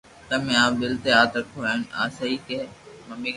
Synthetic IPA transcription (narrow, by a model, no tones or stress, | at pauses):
t̪ɐmẽaːbɪlt̪eaːt̪ɾəkʰoːaːɪna̰ːsaiːkemɐmiː